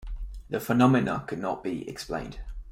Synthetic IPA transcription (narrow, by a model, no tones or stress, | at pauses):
ðəfənɒmɪnə̰kʰədⁿnə̰ʔb̥iɛ̰ksplḛ̃ɪ̃nd̥